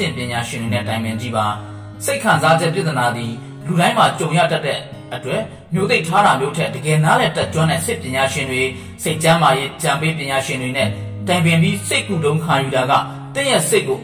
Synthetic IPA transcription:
ɪ̰̃mpjɪ̃ɲaʃɪ̃ndwenɛ̰tãɪ̃mɪ̃ɲd͡ʑiba | seɪkʰãnzad͡ʑɛ̰ʔpjat̪ənad̪i | luɾãɪ̃m̥at͡ɕõʊ̃ja̰tatːɛ | ʔətwɛʔ | mjot̪̬eɪʔtʰːaɾamjoʔtʰɛdəɡɛnalɛtɛt̚t͡ɕwãnãʔsɪpjɪ̃ɲaʃɪ̃ndwe | seɪʔt͡ɕãmajeʔʔət͡ɕãmpep̬jɪ̃ɲaʃɪ̃ndwenɛ̰tãɪ̃mɪ̃mbjiseɪʔkutõʊ̃ŋkʰãjuɾaɡä̰ | t̪ɪ̰̃jɛ̰seʔkːo

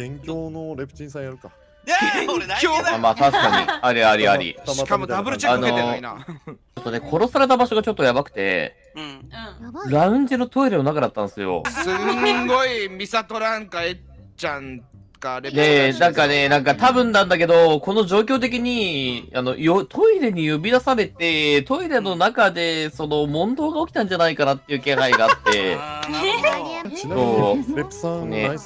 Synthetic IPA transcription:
ẽŋkʲoːnoɾepɯ̟̥t͡ɕĩsãj̃aɾɯ̟ka | oamaːt̪aɕkaɲḭaɾʲiaɾʲiaɾʲḭɕi̥kamod̪abɯɾt͡ɕaanoina̰t͡ɕo̞t̪ːo̞ne̞kʰo̞ɾo̞saɾe̞t̪abaɕo̞ɡat͡ɕo̞t̪ːojabakɯ̟̥t̪e̞̰ | ɾaɯ̟̃ɲ̟d͡ʑinot̪o̞iɾɯno̞nakad̪at̪ːãnsɨjo̞̰sɨɡoimʲisat̪oɾãŋkae | t͡ɕãn | kane̞nãŋkane̞nãŋkat̪abɯ̟̃nd̪ãnd̪ak̬e̞d̪o̞ko̞no̞ʑo̞ːkʲo̞ːt̪̬e̞k̬ʲiɲ̟iano̞̰jot̪ʰo̞iɾe̞ɲ̟ijo̞bʲid̪asaɾe̞t̪e̞t̪o̞iɾe̞no̞nakad̪e̞so̞no̞mõ̞nd̪o̞ːɡaokʲi̥t̪ãɲ̟d͡ʑanaikanat̪ːeiɯ̟ːkẽ̞ɰɦaiɡaːt̪ːe̞̰ | so̞ː | nḛ

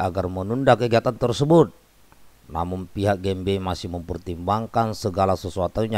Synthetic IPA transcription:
aɡarmənundakəɡiat̪ant̪ərsəbʊt̪̚ | na̰munpiɦak̚ɡɛmbeimasɪməmpərt̪imbaŋkansəɡalasəsuat̪aɲa

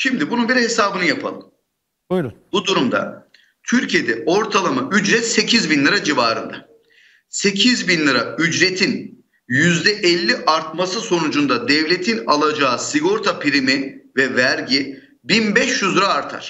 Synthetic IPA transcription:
ʃimd̪ibununbiɾhesaːbɯnɯjapʰa̰lˠɯ̰m | b̥ud̪uɾumd̪a̰ | t̪ʰyɾcʰije̞d̪ɛo̞ɾt̪ʰalˠamaʔyd͡ʒɾɛt̪se̞cʰizbinlˠɯɾad͡ʒivaːɾɯ̰nd̪a̰ | se̞cʰizbinlˠɯɾayd͡ʒɾe̞t̪ʰin | jyzd̪ɛʔɛlʲːiʔaɾt̪̚masɯso̞nud͡ʒund̪ad̪ɛvlʲe̞t̪ʰinalˠad͡ʒaːɯsiɡo̞ɾt̪ʰapʰiɾimivɛvæɾɟi | binbɛʃjyzɾaːɾt̪ʰa̰ɾ̥

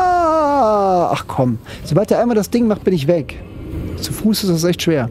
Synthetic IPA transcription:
a | ʔa̰χkʰɔm | z̥obaltdiːɐaɪnmaldasd̥ɪŋmaχt̚b̥ɪnɪçv̥ɛk | t͡sufuːsɪstas̬ʔɛçtʃv̥eːɐ

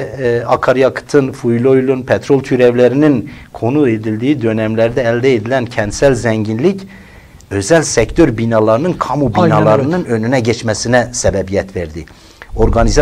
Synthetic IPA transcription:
ɑkʰɑɾjɑkʰɯ̥t̪ʰɯnfujlʲˠojlˠunpʰɛt̪ʰɾo̞lˠt̪ʰyɾævlʲæɾininkʰo̞nued̪ilʲd̪iːid̪ø̞næmlæɾd̪ɛːlʲd̪ɛed̪ilʲæncʰɛnt̪sælʲzæɲɟinlʲic | ø̞zælʲsɛct̪ʰøɾbinɑlˠɑɾɯnɯnkʰɑmubinɑlˠɑɾɯnɯnø̞nynɛɟɛt͡ʃmæsinɛsɛbɛbijɛt̪veɾd̪i | o̞ɾɡɑniz

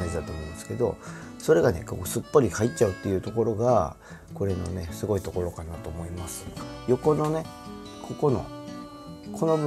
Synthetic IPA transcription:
aʑid̪at̪o̞ːmõnd̪esɨ̥ke̞d̪o̞̰so̞ɾe̞ɡane̞̰ko̰ksɨpːoɾʲikait͡ɕaɯ̟t̪ːe̞jɯ̟ːt̪o̞ko̞ɾo̞ɡa | ko̞ɾe̞no̞̰ne̞sɨɡo̞it̪o̞ko̞ɾo̞kanat̪o̞ːmo̞imasɨ̥jo̞ko̞no̞ne̞ | kʰo̞ko̞no̞̰ | kʰo̞no̞b

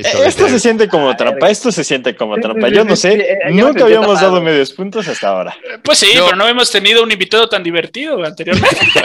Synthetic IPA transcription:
est̪o̞s̬e̞sjent̪̬e̞ko̞mo̞t̪ɾampae̞st̪o̞se̞sje̞nt̪eko̞mo̞t̪ɾampaʝo̞no̞se̞nũŋkaːβiamo̞zd̪að̞o̞me̞ð̞jo̞spunt̪o̞sast̪a̰o̞̰ɾa̰pwesːipeɾonoaβemost̪e̞nið̞o̞unimbit̪aðo̞t̪and̪iβ̞e̞ɾt̪iðo̞ant̪e̞ɾjo̞ɾmẽnt̪e

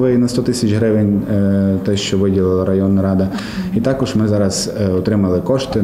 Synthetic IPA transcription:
lˠɪinɐst̪ɔt̪ɪsʲɐt͡ʃʲɦɾɪʋɪnʲt̪ɛʃt͡ʃɔʋɪdʲilˠɪlˠɐɾɐjɔnːɐɾɑd̪ɐ | it̪ɑkɔʒmɪzɑɾɐz̥ɔt̪ɾɪmɐlˠɪkɔʃt̪ɪ

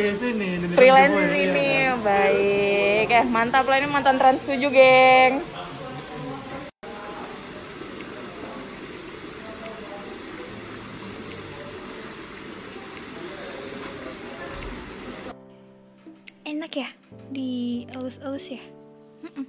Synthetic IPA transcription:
asini | fɾilɛnsninibaikːajamant̪aplainimant̪ant̪ɾanst̪ud͡ʒuɡɛŋs | enakja | diəlusəlusja | m̩

